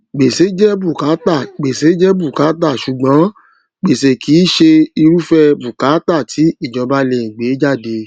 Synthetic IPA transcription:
ɡ͡be˨se˨˦d͡ʒɛ˦bu˦˨ka˨˦ta˦˨ɡ͡be˨se˨˦d͡ʒɛ˦bu˦˨ka˨˦ta˦˨ʃu˨ɡ͡bã˨˦ | ɡ͡be˨se˨kʰi˨˦ʃe˧i˧ɾu˦fɛ˧bu˨ka˨˦ta˦˨tʰi˨˦i˦˨d͡ʒɔ̃˨˧ba˦le˧˨ĩ˨ɡ͡be˨˦d͡ʒa˦˨de˧

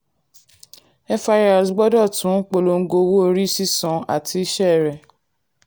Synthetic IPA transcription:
ɛ˦fa˧ɾa˨sɡ͡bɔ˦dɔ˦˨tũ˨˦k͡po˧lo˧ŋ̩˦ɡo˧˦wu˦o˧ɾi˦si˦sɔ̃˨a̰˨tʰi˧i˦ʃɛ˦˨ɾɛ˨

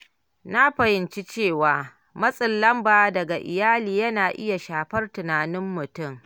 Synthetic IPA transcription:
na˦ɸɐ˨hɪ˨˦nt͡ʃi˦t͡ʃeː˦˨waː˨ | mɐ˦sʼɪ˨lːɐ˦mbaː˨dɐ˨ɡa˨ʔɪ̰˨jaː˦liː˨jɐ˦naː˨ʔɪ̰˦ja˨ʃaː˨ɸɐ˦rtʊ˨naː˨nɪ˦mːʊ˨tʊ˦˨m

